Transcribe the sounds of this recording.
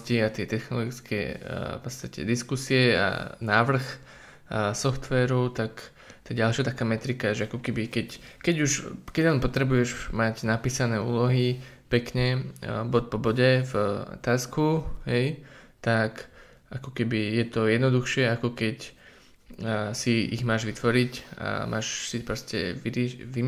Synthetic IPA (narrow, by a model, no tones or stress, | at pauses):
ciat̪ɪɛt̪ɛxnɔlɔɡit͡skʰɛ̰pɔt̪st̪acɛ̰d̪iskusiɛa̰naːʋr̩x | sɔft̪ʋɛːɾut̪ak | t̪aɡɟalʃɪat̪akaːmɛt̪ɾikaʒɛakɔkɛbikɛckɛɟuʃkɛɟanpɔt̪ɾɛbujɛʒmaɟnapiːsanɛːuːlɔɦi | pɛkɲɛbɔt̪̚pɔbɔɟɛvɔ̰t̪aːskuɦɛj | t̪ak | ʔakɔkɛbijɛt̪ɔjɛd̪nɔd̪uxʃɪɛakɔkɛc | siḭɣmaːʒʋit̪ʋɔɾica̰mʔa̰ːʃsipɾɔscɛ̰ʋiɾʋi